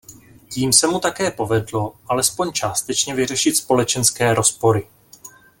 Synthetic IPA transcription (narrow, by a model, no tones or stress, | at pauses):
ciːmsɛmut̪akɛːpo̞vɛdlo̞ʔalɛspo̞ɲt͡ʃaːst̪ɛt͡ʃɲɛvɪr̝ɛʃɪt̪spo̞lɛt͡ʃɛnskɛːɾo̞spo̞ɾɪ